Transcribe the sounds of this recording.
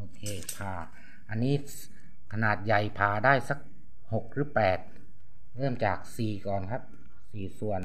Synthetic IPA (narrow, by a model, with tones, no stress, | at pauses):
ʔoː˧kʰeː˧pʰaː˧ | ʔa˧nːiː˦˥ | kʰa˧naː˨˩t̪̚ja˨˩jpʰaː˧daː˥˩jsa˧˥k̚ | ho˨˩k̚ɾɯː˦˥pɛː˨˩t̪̚ | ɾɤː˥˩mt͡ɕaː˨˩k̚siː˨˩kɔː˨˩nkʰa˦˥p̚ | siː˨˩su˨˩ən